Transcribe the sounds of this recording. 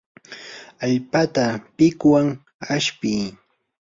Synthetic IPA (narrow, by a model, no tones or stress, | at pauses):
aʎpat̪apɪkwaŋ | aʃpɪj